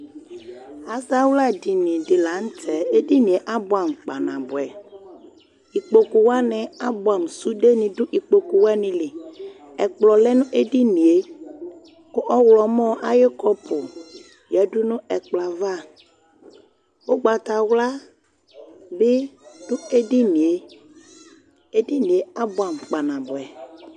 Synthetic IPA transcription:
a˨sa˦wla˦di˨nĩ˨di˨la˨˦ŋ̩˦tʰɛ˨e˦di˦nĩ˨e˨˦ʔa˦bɔ˨a˨mk͡pa˨nã˨bʊ˨ɛ˨ | i˨k͡po˨ku˨wa˦nɛ̃˨a˦bɔ˨a˨m˨su˦ɖe˦nĩ˨do˦ʔi˨k͡po˨ku˨wa˦nĩ˨li˨ | ɛ˨k͡plɔ˨lɛ˦nũ˦ʔe˦di˦nĩ˨e˦ | kʊ˦ʔɔ˦wlɔ˨mɔ˦ʔa˦jɪ˦kɔ˦pʰʊ˨ | jɛ˨dʊ˦nʊ̃˦ɛ˨k͡pla˨va˦˨ | o˦ɡ͡ba˨ta˨wla˦ | bɪ˦d̥ʊ˦e˦di˦ni˨e˦ | e˦di˦nĩ˨e˨˦a˦bʊ˨a˨mk͡pa˨nã˨bʊ˨ɛ˨

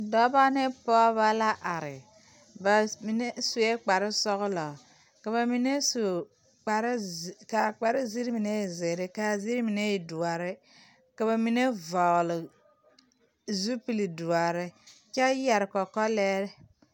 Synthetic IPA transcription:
dɔ˦ba˦ne˦pɔ˦βa˦la˦ʔa˨ɾɪ̰˨ | ba˨mi˨ne˦su˨je˦k͡pa˨ɾɪ˦sɔ˦ɣʊ˦lɔ˨ | ka˨βa˨mi˨ne˦su˨ | k͡pa˨ɾka˨k͡pa˨ɾɪ˦zi˦ɾmi˨ne˦˨zɪ˨ɾɪ˦ka˨zi˦ɾmi˨ne˦i˨du˨a˨ɾɪ˦ | ka˨βa˨mi˨ne˦va˨lɪ˨ | zu˦pi˨li˨du˨a˨ɾɪ˦t͡ʃa˦ja˨ɾɪ˨kɔ˨kɔ˦lɛː˦ɾɪ˦

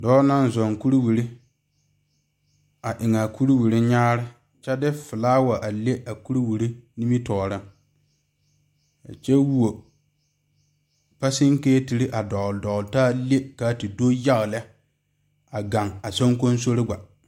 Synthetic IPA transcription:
dɔː˦na˦n˦zɔ˨ŋku˦ɾi˦wi˨ɾi˦ | a˨ʔɪ˨ŋa˨ku˦ɾi˦wi˨ɾi˦ɲaː˦ɾɪ˦ | t͡ʃɛ˦dɪ˦fɪ˨laː˦wa˨ʔa˨le˦ʔa˨ku˦ɾi˦wi˨ɾi˦ni˦mi˦tɔː˨ɾɪ˦ŋ | a̰˨t͡ʃɛ˦wu˦o˨ | pa˦sɪ˦ŋkeː˦ti˨ɾi˦ʔa˨dɔ˨ldɔ˨taː˦le˦ka˨˦˨ti˨do˦ja˦ɣɪ˨lɛ˦ | a˨ɡa˨ŋa˨so˦ŋko˦n˦s̬o˦ɾɪ˦ɡʷa˨

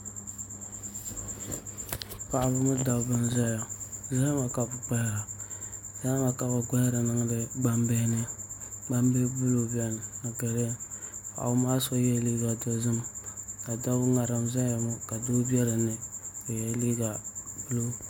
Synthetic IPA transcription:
pa˨ʔbɨ˦mu˦da˨˦bɨ˦nza˦ja˨za˦ma˨ka˨bʊ˨k͡pa˦hɾa˨za˦ma˨ka˨ba˨ɡa˦hɾɨ˨nɨ˦ŋ˦dɨ˦ɡ͡ba˦mbe˦nɨ˦ɡ͡ba˦mbe˦bu˦lo˦bi˦ɛ˦˨n˨a˨ke˨ɾe˦ka̰˨˦maː˦so˦jɛ˦˨li˦ɡa˨do˦zɨ˦mka˨da˦ŋa˨ɾa˨mza˦ja˨mo˦ka˨do˦bɛ˦ɾɨ˨nɪ˨o˨jɛ˨li˦ɡa˨b̥u˦lo˦

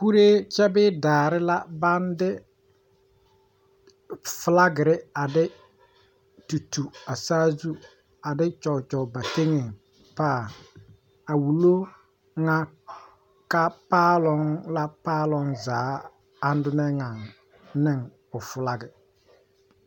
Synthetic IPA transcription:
ku˦ɾe˦t͡ʃɛ˦bɪ˦daː˨ɾɪ˦la˦ba˦ndɪ˦ | fʊ˨la˦ɡɪ˨ɾɪ˦a˨dɪ˦ | tu˨tu˨a˨saː˦zu˦ | a˨dɪ˦t͡ʃɔ˨t͡ʃɔ˨ba˨te˦ŋe˨ŋ | paː˦˨ | a˨wu˨lo˦ | ŋa˦ | ka˦paː˦lɔ˨˦ŋla˦paː˦lɔ˦ŋzaː˨˦ | a˦n˦dʊ˦nɛ˦ŋa˨ŋ | nɪ˦ŋ | ʊ˨fʊ˨la˨ɡɪ˨

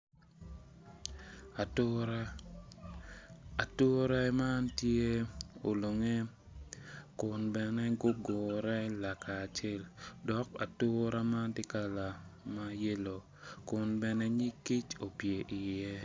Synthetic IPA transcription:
a˨to˦ɾɛ˦ma˦ntje˦o˨lo˨ŋe˦ | kʊ˨nbɛ˨nɛ˦ɡo˦ɡo˨ɾɛ˦la˨ka˨t͡ʃe˦ldɔ˨˦ka̰˨tʊ˦ɾa˦ma˦ntɪ˦ka˦la˨ma˦je˦lo˨ | kʊ˨nbɛ˨nɛ˦ɲi˦kːi˦t͡ʃo˨pje˨ʔi˨jɛ˦

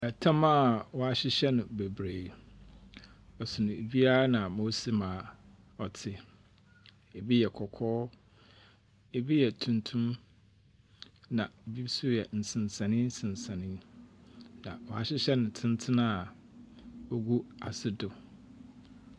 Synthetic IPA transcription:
ɛ˨tʰã˦ma˦˨wɔ˨a˨ɕɪ˦ɕɛ˦nʊ̃˨be˨bɾeː˨ | ɔ˨sʊ˨nʊ̃˨e˨bi˦a˦a˦nã˨moː˦si˦mãː˨ | ɔ˨tʰɪ˦ | e˨bi˦jɛ˨kʰɔ˨kʰɔː˦ | e˨bi˦jɛ˨tʰũ˨ntʰũ˦m | nã˨e˨bi˦su˦jɛ˨n̩˨sɪ̃˨n˨sã˨nɪ̃˦n̩˦sɪ̃˨n˨sã˨nɪ̃˦n | nã̰˨wɔ˨a˨ɕɪ˦ɕɛ˦nʊ̃˨tʰɪ̃˦n˦tʰɪ̃˦nã˦a˨ | o˦ɡu˦a˨sɪ˦dʊ˨

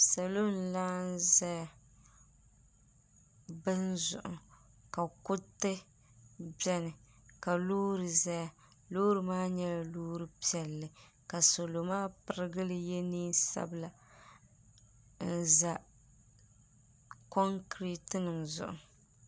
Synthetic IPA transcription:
sa˨lo˦n˨laː˦n˦zɛ˦˨ | bɨ˦nzʊ̰˨ʔʊ̰˨ | ka˨kʊ˦tɨ˦ | bɛ˦nɨ˨ | ka˨loː˦ɾɨ˨zɛ˦˨ | loː˦ɾɨ˨maː˦ɲɛ˦la˨loː˦ɾɨ˦pi˦ɛ˨lːɨ˨ | ka˨so˨lo˨maː˦pɨ˨ɾɪ˦ɡɨ˦lɨ˦jɛ˦niː˦sa̰˦bla˨ | n̩˨za˨ | kɔ˦ŋkɾi˦tɨ˦nɨ˨ŋzʊ̰˨ʔʊ̰˨

